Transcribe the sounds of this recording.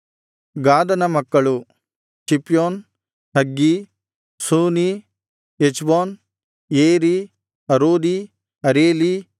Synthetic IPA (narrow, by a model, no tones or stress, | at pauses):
ɡaːd̪ɐnɐmɐkːɐɭu | t͡ʃipjoːn | hɐɡːi | suːni | et͡ʃboːn | jeːɾi | ɐɾoːd̪i | ɐɾeːli